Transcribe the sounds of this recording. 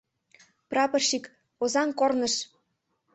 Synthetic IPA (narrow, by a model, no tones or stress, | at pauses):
prɑpɤ̆rʃik | ozɑnkornɤ̆ʃ